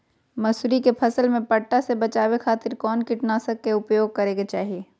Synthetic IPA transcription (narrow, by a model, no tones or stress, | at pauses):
mɐsuɾikepʰɐsəlmẽpɐʈːasebɐt͡ʃaːwexʰaːt̪ɪɾkɔːnkɪʈnaːsəkːeʊpjoːɡ̚kɐɾẽːɡet͡ʃaːɦijeː